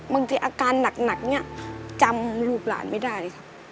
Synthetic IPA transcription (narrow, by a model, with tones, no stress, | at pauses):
baː˧ŋt̪ʰiː˧ʔaː˧kaː˧nːa˨˩k̚na˨˩k̚ni˦˥˩ɐt͡ɕa˧mluː˥˩k̚la̰ː˨˦nma˥˩jda˥˩jkʰa˦p̚